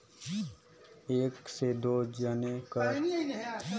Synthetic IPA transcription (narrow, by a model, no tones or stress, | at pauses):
eːksed̪oːd͡ʒaneka